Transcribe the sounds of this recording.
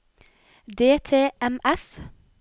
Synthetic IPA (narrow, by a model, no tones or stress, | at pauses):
d̪eːt̪ʰeːʔɛmɛf